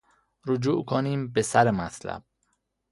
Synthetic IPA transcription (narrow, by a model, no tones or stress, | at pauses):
ɾod͡ʒuːʔkʰoniːmbesæɾemæt̪ʰlæ̰b̥̚